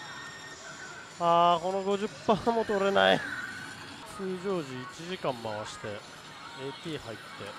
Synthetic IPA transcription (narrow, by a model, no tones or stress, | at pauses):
aːko̞no̞ɡo̞ʑɨpːaːmo̞t̪o̞ɾe̞na̰i | sɨːʑoːʑiːt͡ɕiʑikãmːaβaɕi̥t̪e̞ | eːt̪iːhait̪ːe̞